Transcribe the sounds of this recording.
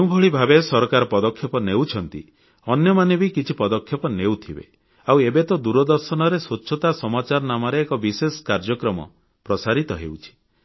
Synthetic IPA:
ew̃bʱɔɭibʱabesɔɾɔkaɾɔpɔd̪ɔkʰːjɔpɔnewt͡ʃʰɔnt̪ḭ | ɔnjɔmanebikit͡ʃʰipɔd̪ɔkʰjɔpɔnewt̪ʰibḛ | awebet̪ɔd̪uɾɔd̪ɔɾsɔnɔɾeswutːʃʰɔt̪asɔmat͡ʃaɾɔnamɔɾeːkɔbisesɔ̥kaɾd͡ʒɔkɾɔmɔ̰ | pɾɔsaɾit̪ɔɦḛwt͡ʃʰi̥

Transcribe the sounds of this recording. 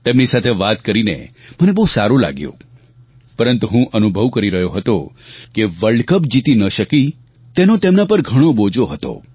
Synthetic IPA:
t̪emnisat̪ʰeʋat̪kəɾinḛmənebəɦusaɾula̰ɡjõ̰ | pəɾənt̪uɦũʔənubʱəʋkəɾiɾəɦjoɦət̪o | keʋəɭɖkəpd͡ʒit̪inəʃəki | t̪enot̪emnapəɾɡʱəɽ̃obod͡ʒoɦət̪o̰

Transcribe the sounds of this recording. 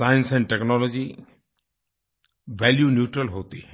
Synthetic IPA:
aːjənsɛ̃ɳɖʈeknɔlɔd͡ʒi | ʋɛːljunjuːʈɾəlɦoːt̪iɦɛ

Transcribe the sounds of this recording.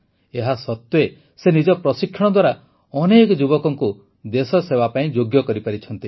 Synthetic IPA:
eɦasɔt̪we | senid͡ʒɔpɾɔsikʰːjɔɽ̃ɔd̪waɾa | ɔnekɔd͡ʒubɔkɔŋku | d̪esɔsebapaĩd͡ʒoɡjɔkɔɾipaɾit͡ʃʰɔnt̪i

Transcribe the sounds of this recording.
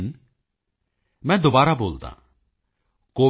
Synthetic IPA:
n | mɛ̃ːd̪obaːɾaboːlt̪ã̰ː | koː

